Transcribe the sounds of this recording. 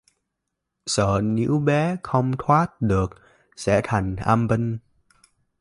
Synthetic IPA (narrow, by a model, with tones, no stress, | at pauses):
səː˧˩nḭ˧˥wɓɛ˨˦xə˧wŋ͡mt̪ʰwaː˦˥t̚ɗɨ˨˩ək̚ | sɛ̰˧˥t̪ʰa˨˩jŋ̟ʔaː˧mbə˧ŋ